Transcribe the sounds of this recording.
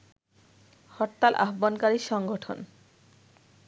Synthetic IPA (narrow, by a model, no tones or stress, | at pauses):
hɔʈt̪ːalʔa̰ɦbonkaɾiʃɔŋɡoʈʰo̰n